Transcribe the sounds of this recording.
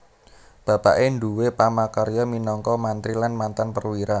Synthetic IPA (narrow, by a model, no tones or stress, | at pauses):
b̥a̤pa̰ʔeɳɖuwepamakaɾijɔminɔŋkɔmant̪ɾilanmant̪anpərwiɾa